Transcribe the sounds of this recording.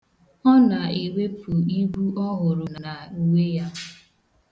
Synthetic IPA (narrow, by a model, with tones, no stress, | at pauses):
ɔ˦na˨e˨we˦pu˨i˦ɡu˦ɔ˦ɦʊ˨ɾʊ˨n˨na˨u˨we˦ja˦